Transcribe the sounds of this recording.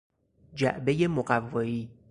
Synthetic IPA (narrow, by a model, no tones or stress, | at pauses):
d͡ʒæʔbejemoɢævːɒːiː